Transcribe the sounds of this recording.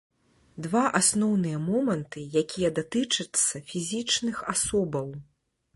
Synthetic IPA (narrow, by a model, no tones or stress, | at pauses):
d̪vaʔasnɔwnɨjɐmɔmɐnt̪ɨjakʲijɐd̪at̪ɨt͡ʂɐt̪sːɐfʲizʲit͡ʂnɨxasɔbɐw